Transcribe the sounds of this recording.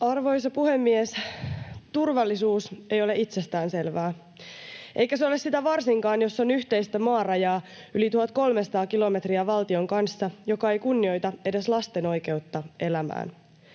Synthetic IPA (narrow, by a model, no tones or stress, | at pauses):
ɑrʋo̞js̬ɑpuhemːies | t̪urʋɑlːisuːse̞jo̞le̞ʔit̪se̞st̪æːnse̞lʋæː | ʔejkæseo̞lesit̪æʋɑrsiŋkɑːnjo̞sːonyçt̪e̞jst̪æmɑːrɑjɑː | ylit̪uhɑt̪ko̞lmesɑ̥t̪ɑːkilo̞me̞t̪riæʋɑlt̪io̞ŋkɑnsːɑjo̞kɑe̞jkunːio̞jt̪ɑe̞de̞slɑst̪e̞no̞jke̞wt̪ːɑe̞læmæ̰ːn